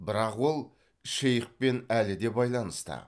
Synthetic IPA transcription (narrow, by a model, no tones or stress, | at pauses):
bɪɾɑqwo̞lˠ | ʃejɪq̚pe̞nælɪd̪e̞bɑjlˠɑnəst̪ə̰